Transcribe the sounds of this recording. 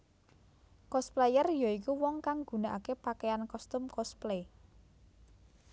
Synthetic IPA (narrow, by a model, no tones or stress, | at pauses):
kɔsplejərjɔikuwɔŋkaŋɡ̥ṳnaʔakepakejankɔst̪ʊmkɔsple